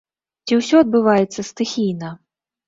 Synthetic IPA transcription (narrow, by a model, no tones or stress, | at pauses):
t͡sʲiwsʲɔɐd̪̚bɨvajɛt̪sːɐst̪ɨxʲijnɐ